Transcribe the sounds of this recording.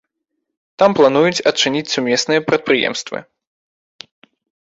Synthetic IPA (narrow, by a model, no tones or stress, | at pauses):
t̪amplˠanujut͡sʲɐt͡ʂɨnʲit͡sʲsumʲɛsnɨjɐpɾɐt̪̚pɾɨjɛ̰mst̪vɨ̰